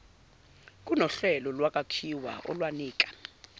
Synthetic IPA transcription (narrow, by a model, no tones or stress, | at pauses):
k̬ʼunɔɬɛlɔlwakʼakʰiwa̰ʔɔ̰lwaniːk̬ʼḁ